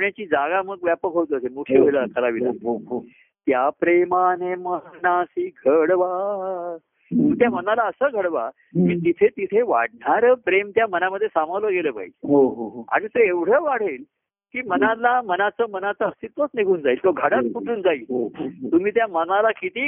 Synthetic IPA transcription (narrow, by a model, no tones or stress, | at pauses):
ɳjat͡ɕiːd͡zaɡaməɡʋjapəkɦot̪ːəsemukʰeləəkʰəlaʋiə | t̪japɾemanemənasiːɡʱəɽʋa | mũt̪jamənalaəsəːɡʱəɽʋa | miːt̪it̪ʰet̪it̪ʰeʋa̰ɽ̚ɳaɾəpɾemt̪jamənaməd̪ʱːjesamaləɡeləːpa̰ḭɦoɦa̰ɽ̃it̪oeʋɽ̤əːʋaɽ̤eːl | kiːmənalamənat͡səːmənat͡səəst̪it̪ʋat̪neɡʱuːnd͡zaiːlt̪oɡʱəɽat̪̚kuʈuːnd͡zaiːlt̪um̤iːt̪jamənalakit̪iː